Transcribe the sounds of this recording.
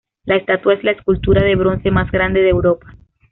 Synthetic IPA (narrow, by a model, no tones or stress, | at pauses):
laest̪at̪wae̞zlaeskult̪uɾaðe̞βɾo̞nse̞mazɡɾand̪e̞ðeːwɾo̞pḁ